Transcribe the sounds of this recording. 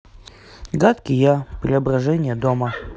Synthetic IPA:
ɡat̪kʲɪjapɾʲɪɐbrɐʐɛnʲɪjəd̪omə

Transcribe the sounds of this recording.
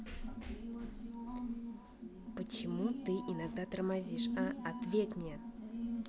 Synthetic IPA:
pət͡ɕɪmut̪ɨʔinaɡd̪at̪ərmazʲiʂaɐt̪vʲetʲmnʲe

